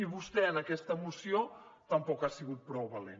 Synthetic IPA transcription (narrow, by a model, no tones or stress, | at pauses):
iβust̪ɛənəkɛst̪əmusiot̪əmpɔkasiɣut̪̚pɾɔwβəlḛn